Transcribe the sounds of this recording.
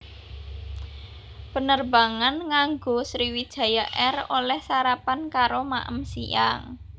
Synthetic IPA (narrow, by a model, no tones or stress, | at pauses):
pənərba̤ŋanŋaŋɡosɾiwid̥ʒ̥a̤jaʔɛrolɛhsaɾapankaɾoma̰ʔə̰msḭa̰ŋ